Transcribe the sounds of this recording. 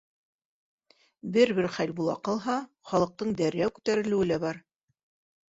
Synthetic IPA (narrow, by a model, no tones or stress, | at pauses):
bɘɾbɘɾχælbulˠɑ̰qɑlˠɦɑ | χɑlˠɤ̆q̚t̪ɤɴd̪æɾjæwkʉ̥t̪æɾɘ̆lɘ̆wɘ̆læbɑɾ